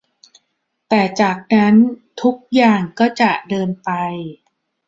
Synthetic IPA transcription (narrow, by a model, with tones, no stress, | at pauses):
t̪ɛː˨˩t͡ɕaː˨˩k̚na˦˥nt̪ʰu˦˥k̚jaː˨˩ŋkɔː˥˩t͡ɕa˨˩ʔdɤː˧npa˧j